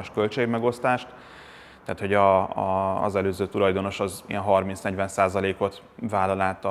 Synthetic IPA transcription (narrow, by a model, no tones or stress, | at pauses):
ʃkølt͡ʃeːɡmɛɡo̞st̪aːʃt̪ | t̪ːɛːt̪ho̞ɟɒɒ̰ːzɛløːzøːt̪ulɒjd̪o̞no̞ʃɒzḭjɛnɦɒrminsnɛɟvɛnsaːzɒleːko̞t̪ | vaːlɒlaːt̪ɒ